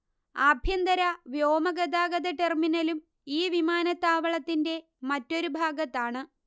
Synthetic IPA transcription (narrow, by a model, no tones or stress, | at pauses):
aːbʱjɐnd̪ɐɾɐʋjo̞ːmɐɡɐd̪aːɡɐd̪ɐʈerminɐlum | iːʋimaːnɐt̪ːaːʋɐɭɐt̪ːinde̞ | mɐtːo̞ɾubʱaːɡɐt̪ːaːɳɨ